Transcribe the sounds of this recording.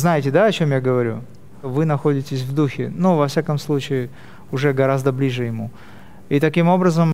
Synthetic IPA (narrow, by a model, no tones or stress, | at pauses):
znajɪtʲɪd̪aɐt͡ɕo̞mjaɡəvɐɾʲṵ | ʂt̪ovɨnɐxo̞dʲɪtʲɪsʲvd̪uxʲɪnuvɐfsʲakəmslˠut͡ɕɪɪ | ʊʐɛɡɐɾazd̪əblʲiʐɨjɪmu | it̪ɐkʲimo̞bɾəzəm